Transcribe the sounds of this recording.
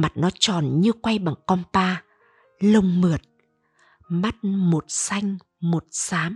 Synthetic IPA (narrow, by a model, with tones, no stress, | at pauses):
ma˨˩t̚nɔ˨˦t͡ɕɔ˨˩nɲɨ˧kwa˧jɓa˨˩ŋkɔ˧npaː˧ | lə˧wŋ͡mmɨ˨˩ət̚ | ma˦˥t̚mo˨˩t̚sa˧jŋ̟ | mo˨˩t̚saː˨˦m